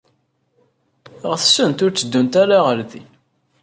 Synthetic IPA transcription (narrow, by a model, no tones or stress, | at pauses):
ʁəθsːənt̪ʊɾt͡sːəd̪ːunt̪æɾaʁəɾθi